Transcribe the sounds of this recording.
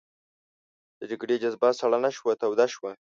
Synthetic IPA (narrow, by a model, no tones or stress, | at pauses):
d̪̥əd͡ʒaɡɽed͡ʒazbasaɽanaʃwat̪awd̪aʃwa